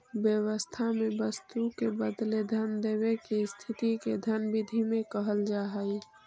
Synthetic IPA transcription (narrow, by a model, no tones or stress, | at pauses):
bjəwəst̪ʰamebəst̪ukebəd̪led̪ʱənd̪eβekest̪ʰit̪iked̪ʱənbid̪ʱimẽkəɦəld͡ʒaɦəj